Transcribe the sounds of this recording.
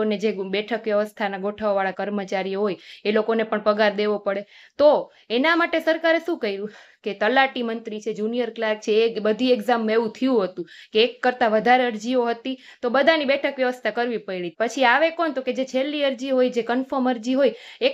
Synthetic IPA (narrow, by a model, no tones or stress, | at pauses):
oned͡ʒebɛʈʰəkʋjəʋəst̪ʰanaɡʱoʈʰaoʋaɭakəɾmət͡ʃaɾioɦojelokonepəɳpəɡaɾd̪eʋopəɽet̪o | enamaʈesəɾkaɾeʃũkəiɾũ | ket̪əlaʈimənt̪ɾit͡ʃʰed͡ʒunijəɾklak̚t͡ʃʰebəd̪ʱieɡzamːeʋũt̪ʰiũɦət̪ũkeːkːəɾt̪aʋəd̪ʱaɾeəɾd͡ʒioɦət̪i | t̪obəd̪ʱanibɛʈʰəkʋjəʋəst̪ʰakəɾʋipəiɭit̪̚pət͡ʃʰiaʋekont̪oked͡ʒet͡ʃʰelːiəɾd͡ʒiɦojd͡ʒekənfəməɾd͡ʒiɦoje